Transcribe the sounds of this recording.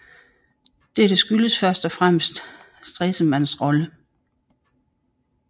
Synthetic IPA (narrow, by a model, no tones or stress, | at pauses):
d̥eɐd̥e̝sɡ̥yləsfɶɐsd̥ɒ̽fʁam̰sd̥ | sd̥ʁɛsəmæn̰sʁɒ̽lə